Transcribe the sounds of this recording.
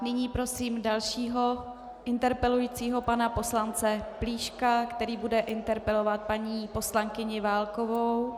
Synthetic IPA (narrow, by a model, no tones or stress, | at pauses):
nɪɲiːpɾo̞siːmdalʃiːɦo̞ | ʔɪnt̪ɛɾpɛlujiːt͡siːɦo̞panapo̞slant͡sɛpliːʃkakt̪ɛɾiːbudɛʔɪnt̪ɛɾpɛlo̞vat̪̚paɲiːpo̞slaŋkɪɲɪvaːlko̞vow